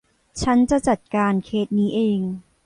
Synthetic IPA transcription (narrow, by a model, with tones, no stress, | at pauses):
t͡ɕʰa˦˥nt͡ɕa˨˩t͡ɕa˨˩t̪̚kaː˧nkʰeː˦˥t̪̚niː˦˥ʔeː˧ŋ